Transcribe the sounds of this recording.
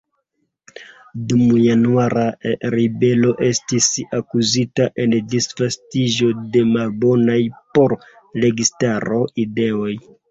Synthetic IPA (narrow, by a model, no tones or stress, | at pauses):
dumujanuaɾaɾibe̞lo̞ʔe̞stisakuzitaʔe̞ndisfastiʒo̞de̞malbo̞najpo̞ɾ | le̞ɡistaɾoide̞o̞j